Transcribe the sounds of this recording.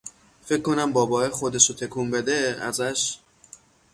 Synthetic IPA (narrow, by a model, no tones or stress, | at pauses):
fe̞kʰːo̞næmbɒːbɒːexo̞d̪e̞ʃot̪ʰekʰumbe̞d̪eæ̰zæʃ